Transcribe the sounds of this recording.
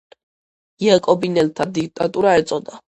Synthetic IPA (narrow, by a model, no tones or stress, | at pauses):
iakʼɔbinɛlt̪ʰad̪ik̚ʰt̪ʼat̪ʼuɾaɛt̪sʼɔd̪a